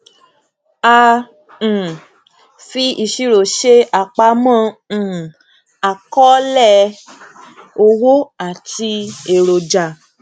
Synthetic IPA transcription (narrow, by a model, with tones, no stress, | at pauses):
ã˧˨ | fi˧i˦˨ʃi˧ɾo˨ʃe˧a˨k͡pa˧mã˦˨ | a˨kɔ˦lɛ˦˨ | o˧wo˦a˨ti˧e˨ɾo˨d͡ʒa˨